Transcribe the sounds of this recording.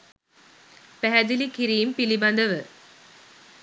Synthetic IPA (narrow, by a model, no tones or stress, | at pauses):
pæɦæd̪ilikiɾiːmpilibɐnd̪əʋə